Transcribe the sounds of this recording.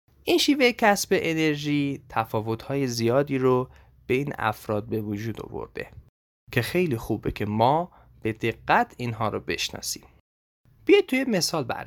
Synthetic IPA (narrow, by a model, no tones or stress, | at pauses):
ʔinʃiːve̞jecʰæsbeʔene̞ɾʒiːt̪ʰæfɒːvo̞t̪hɒːje̞zijɒːd̪iːɾo | b̥e̞iːnæ̰fɾɒːd̪̚be̞vod͡ʒuːd̪o̰vo̰ɾd̪̥e̞̰ | cʰe̞xe̞jliːxuːbecʰe̞mɒː | b̥e̞d̪eɡːæt̪ʰinɦɒːɾobe̞̰ʃnɒ̰ːsi̥̰m | b̥ijɒjt̪̚t̪ʰːujeme̞sɒːlbæ̰